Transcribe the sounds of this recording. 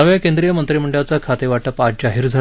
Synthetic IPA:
əʋjakẽnd̪ɾijəmənt̪ɾimuɳɖjat͡sakʰat̪eʋaʈəpad͡ʑaɦiːɾd͡zʱa

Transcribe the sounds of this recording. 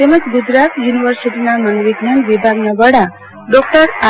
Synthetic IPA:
t̪eməd͡ʒɡud͡ʒɾat̪juniʋəɾsiʈinamaŋʋiɡnənʋibʱaɡnabəɽa | ɖɔk̚ʈəɾa

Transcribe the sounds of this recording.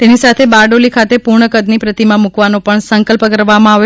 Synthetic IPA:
t̪enisat̪ʰebaɖolikʰat̪epuɾɳəkəd̪nipɾət̪imãmukʋanopəɳsəŋkəlpəkəɾʋamãaʋe

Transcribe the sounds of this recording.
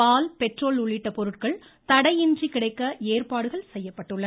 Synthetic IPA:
paːlpɛʈroːlʊɭːɪʈːɐpɔɾɯʈ̚kɐɭ | t̪ɐɽɐjɪndrikɪɽɐɪkːɐeːrpaːɽɯɣɐɭsɛjːɐpːɐʈːɯɭːɐ

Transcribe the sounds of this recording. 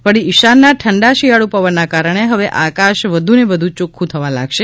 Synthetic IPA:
ʋəɽiɪʃanːaʈʰəɳɖaʃijaɭupəʋənːakaɾəɳ̃eɦəʋeʔakaʃʋəd̪ʱunebəd̪ʱũt͡ʃukʰːũt̪ʰəʋãla̰ɡʃe

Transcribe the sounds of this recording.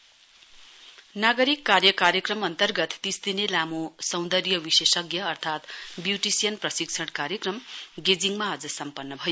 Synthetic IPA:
naɡʌɾikːarjʌkaɾjʌkrʌmʌnt̪ʌrɡʌt̪ːist̪inelamosʌw̃nd̪ʌrjʌwisesʌɡjʌːrt̪ʰat̪bjuʈisijʌnprʌsikt͡sʰʌɽkaɾjʌkrʌmɡed͡ziŋmaʌd͡zʌsʌmpʌnːʌbʱʌjo

